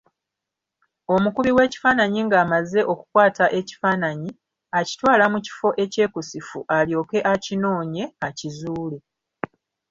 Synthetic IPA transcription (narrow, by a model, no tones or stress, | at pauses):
o̞mukuβiwe̞ːci̥faːnaɲiŋɡaːmaze̞ʔo̞ku̥kwaːtaʔe̞ci̥faːnaɲi | aci̥twaːlamuci̥fo̞ʔe̞ce̞ːkusifuʔaljo̞ːke̞ʔacino̞ːɲe̞acizuːle